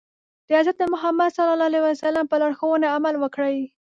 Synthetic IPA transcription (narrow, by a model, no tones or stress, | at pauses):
d̪̥əazat̪̚d̪əmʊɦamad̪salɑlɑlewasalampəlaɽxowəneamalwəkɽəj